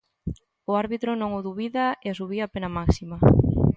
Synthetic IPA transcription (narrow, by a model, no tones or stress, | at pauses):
ʊaɾβit̪ɾʊnõŋʊðuβiðaeas̬uβiapenamaksima